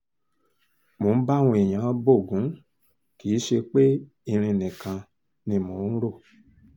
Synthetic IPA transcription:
mũ˨˦ba˦˨wũ˧e˨ɲã˨˦bo˦˨ɡũ˨˦ | ki˨˦ʃe˧k͡pe˦ | i˧ɾ̃ĩ˧nɛ̃˨kã˧ | nĩ˧mũ˨˦n̩˦ɾo˦˨

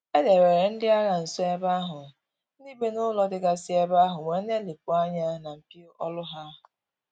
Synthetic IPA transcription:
e˦de˨ɾe˨ɾe˨n̩˦dɪ˦a˦ɣa˨n̩˨sɔ˦e˦ba˦ɦʊ˨˦ | ni˦be˦nʊ˦lɔ˦dɪ˦ɡa˦sɪ˦e˦ba˦ɦʊ˨ŋʷe˨n̩˦ne˦li˨p̚ʊ˨a˦ɲa˦na˨m̩˨pi˦o˦ʔɔ˦lʊ˦ɦa˦ʊ˨

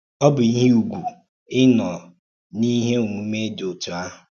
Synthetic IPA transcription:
ɔ˦bʊ˨i˦ɦe˦u˨ɡʷu˨ | ɪ˦nɔ˨ | ni˦ɦe˦o˨ŋʷu˨me˦do˨tu˨a˦ɦʊ˨

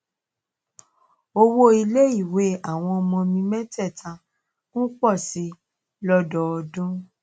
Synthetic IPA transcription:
o˧wo˦i˧le˦i˦˨we˨˦a˦˨w̃ɔ̃˧ɔ˧mɔ̃˧mĩ˧mɛ̃˦tɛ˦˨tʰã˧ | kũ˦k͡pɔ˦˨si˨˦ | lɔ˦dɔ˧˨ɔ˧dũ˦

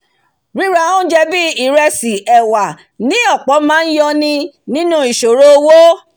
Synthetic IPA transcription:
ɾĩ˦ɾa˧õ˦d͡ʒɛ˧bi˦i˨ɾɛ˧si˨ɛ˨wa˨ | nĩ˨˦ɔ˦˨k͡pɔ˨˦mãː˦n̩˦jɔ˧nĩ˧ | nĩ˦nũ˦i˨ʃo˨ɾo˦o˧wo˦

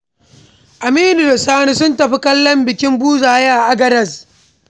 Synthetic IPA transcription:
ʔa˨miː˦ni˨ɾɐ˨saː˦ni˦sʊ˦ntɐ˨ɸi˦kɐ˦lːɐ˦mbɪ˨kʲɪ˦mbuː˦zaː˨jaː˦˨ʔa˦ɡɐ˦dɐ˨s

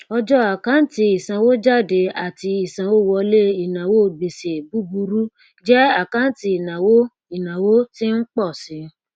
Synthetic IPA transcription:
ɔ˧d͡ʒɔ˦a˨kã˨˦n̩˦ti˧i˨sã˨wo˦d͡ʒa˦˨de˧a˨ti˧i˨sã˨wo˦wɔ˧le˦i˨nã˨wo˦˨be˨se˨bu˨˦bu˧ɾu˦ | d͡ʒɛ˦a˦˨kã˦n̩˦ti˧i˨nã˨wo˦ | i˦˨nã˨wo˦ti˦n̩˦k͡pɔ˦˨sĩ˨˧˦

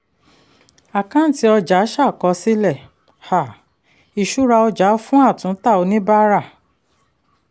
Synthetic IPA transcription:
a˨kã˦n̩˨ti˧˦ɔ˧d͡ʒa˨˦ʃa˦˨kɔ˧si˦lɛ˦˨ | ha˨ | i˨ʃu˦ɾa˧ɔ˧d͡ʒa˨˦fũ˦a˦˨tũ˨˦ta˦˨o˧nĩ˦ba˦ɾa˦˨

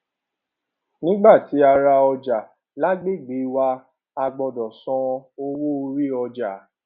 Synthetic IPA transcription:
nĩ˦ɡ͡ba˦˨ti˨˦a˧ɾa˧ɔ˧d͡ʒa˨ | la˦ɡ͡be˦˨ɡ͡bi˨˦wa˧˦ | a˧ɡ͡bɔ˧dɔ˨sɔ̃˧o˧wo˦o˧ɾi˦ɔ˧d͡ʒa˨˦

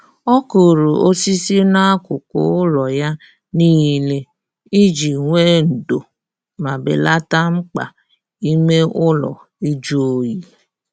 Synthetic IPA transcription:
ɔ˦ko˨ɾo˨o˦si˦si˦na˦a˦kʊ˨kʊ̰˦ʊ˦lɔ˨ja˦ | niː˦le˦˨ | i˦d͡ʒi˨ŋʷe˦n̩˨do˨ | ma˨bɪ̰˨la˦ta˦ŋ͡m̩˦k͡pa̰˨ | i˦me˦ʊ˦lɔ̰˨ | i˦d͡ʒu˦o˦ji˦

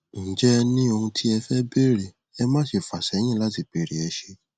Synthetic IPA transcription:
n̩˨d͡ʒɛ˦nĩ˦o˧hũ˧tʰi˦ɛ˧fɛ˦be˦ɾe˨ | ɛ˧mã˦ʃi˨fa˨sɛ˨˦j̃ĩ˦˨la˦ti˦˨be˨ɾe˨ɛ˧ʃe˧

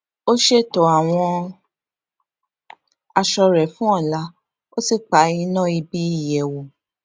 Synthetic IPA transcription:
o˦ʃe˦˨tɔ˨a˨w̃ɔ̃˧ | a˧ʃɔ˧ɾɛ˨fũ˦ɔ˦˨la˨˦ | o˦si˦˨k͡pa˨˦i˧nã˦˨i˧bi˦i˦˨jɛ˨wo˨

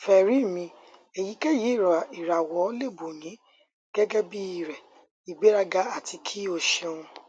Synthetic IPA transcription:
fɛ˨ɾi˨˦˨mĩ˧ | e˨ji˨˦kɛ˦˨ji˨˦˨ɾa˨i˨ɾa˨wɔ˨˦le˦˨bo˨nĩ˨˦ | ɡ̥ɛ˦ɡɛ˦bi˦i˦˨ɾɛ˨ | i˨ɡ͡be˨˦ɾa˦ɡa˦a˦˨tʰi˧kʰi˦o˧ʃɛ˧ũ˧

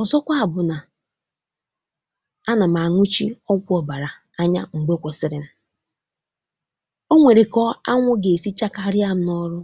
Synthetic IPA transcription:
ɔ˨zɔ˦kʷa˦a˨bʊ˨na˨ | a˦na˨m˨a˨ŋʷu˦t͡ʃḭ˦ɔ˦kʷʊ˦ɔ˨ba˨ɾa˨ | a˦ɲa̰˦ŋ͡m̩˨ɡ͡bo˦kʷɔ˨sɪ˦ɾɪ˨n̩˨ | o˦ŋʷe˨ɾe˨kɔ˦a˦ŋʷʊ˦ɡe˨si˦t͡ʃa˦ka˦ɾɪ˦a˦m̩˦nɔ˦ɾʊ˦

